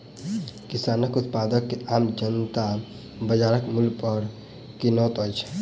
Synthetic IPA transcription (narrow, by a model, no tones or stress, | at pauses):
kisanəkut̪̚pad̪əkːeamd͡ʒənt̪a | bəd͡ʒaɾəkmulpəɾ | kinɔt̪ɔjt͡ʃʰ